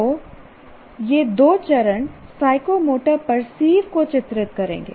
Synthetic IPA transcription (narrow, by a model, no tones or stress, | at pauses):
oː | jeːd̪oːt͡ʃɐɾəɳsaːɪkomoːʈəɾpɐɾsiːʋkot͡ʃɪt̪ɾɪt̪kɐɾḛ̃ːŋɡḛː